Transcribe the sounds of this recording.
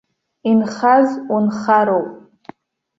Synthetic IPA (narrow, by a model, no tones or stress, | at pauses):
inχazunχaɾowpʼ